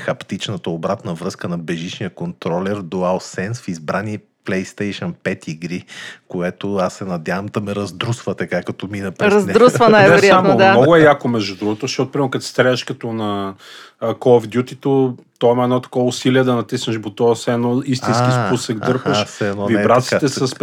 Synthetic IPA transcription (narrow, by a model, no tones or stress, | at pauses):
xɐpt̪it͡ʃnət̪əobɾat̪nəvɾɤskənɐbɛʒit͡ʃnijəkont̪ɾɔlɛɾd̪oalˠsɛnsfizbɾani | plɛjst̪ɛjʃənpɛt̪iɡɾikoɛt̪oasːɛnɐd̪ʲjavɐmd̪ɐmɛɾɐzd̪ɾusvət̪ɐkakɐt̪ɔminɐpɾɛɾɐzɾusvənajvɛɾj̪aamod̪mɔɡʊɛjakomɛʒd̪ud̪ɾuɡot̪osʃɔt̪ʊpɾimɛɾokɐt̪sst̪ɾɛəʃkɐt̪onɐ | kɔvd̪ʲjut̪it̪o | t̪ɔimɐɛd̪ɔt̪ɐ̥kɔvusiliɛd̪ɐnɐt̪isnəʃbot̪ɔsɛɛnɔis̬t̪inskispusəɡd̪ɤɾpəʃsɛɛnɔvibɾat̪sit̪ɛsɐs